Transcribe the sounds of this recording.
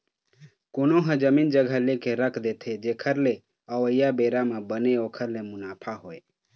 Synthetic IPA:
konoɦə̃d͡ʒəmind͡ʒəɡʱəlekeɾəkʰd̪et̪ʰed͡ʒekʰəɾle | əəjabeɾamebəneokʰəɾlemunapʰaɦoe

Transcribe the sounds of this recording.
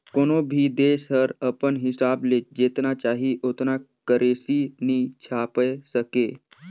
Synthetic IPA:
konobʱid̪eːsɦəɾəpənɦɪsabled͡ʒeːt̪nat͡ʃaːɦiʔot̪na | kəɾʔesinit͡ʃʰapəsəke

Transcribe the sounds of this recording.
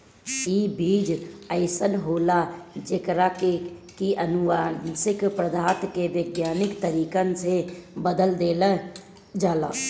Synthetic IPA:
ibiːd͡ʒəɪsənɦoːlad͡ʒekɾakekiʔənʊʋansɪkpɾəd̪ʱaːt̪keʋəɡjaːnɪkt̪əɾiːkənsebəd̪əld̪eːlə | d͡ʒaːla̰ː

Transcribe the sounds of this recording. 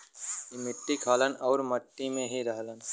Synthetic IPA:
ɪmɪʈːikʰaːlənɔːɾməʈːimẽɦiɾəɦlən

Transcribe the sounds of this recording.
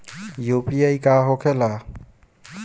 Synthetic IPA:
jupiajkaɦokʰela

